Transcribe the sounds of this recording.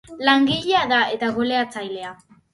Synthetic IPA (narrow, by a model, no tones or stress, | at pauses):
laŋɡiʎeaðae̞t̪aɣoleat͡sajle̞a